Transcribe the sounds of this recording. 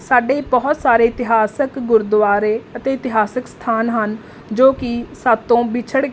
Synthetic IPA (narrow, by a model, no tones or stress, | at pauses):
saːɖeːbɔːt̪saːɾeːɪt̪ɪɦaːsəkɡʊɾʊd̪ʋaːɾeːət̪eːɪt̪ɪɦaːsəkst̪ʰaːnɦən | d͡ʒoːkɪsaːt̪ːõːbɪt͡ʃʰəɽ